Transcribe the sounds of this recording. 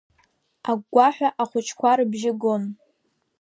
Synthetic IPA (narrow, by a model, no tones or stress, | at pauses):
aɡʷaħʷᶣaʔaχʷʊt͡ʃʰkʷʰaɾɨbʒɪɡon